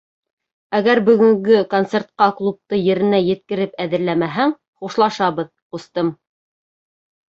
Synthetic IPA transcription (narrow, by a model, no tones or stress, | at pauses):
æɡæɾbɵ̆ɡɵ̆ŋɡɵkont̪se̞rt̪̚qɑklˠup̚t̪ɤjɘ̆ɾɘ̆næjɘ̆t̪̚kɘ̆ɾɘpæðɘ̆ɾlæmæɦæŋ | χuʃlˠɑʃɑβɤð | qust̪ɤm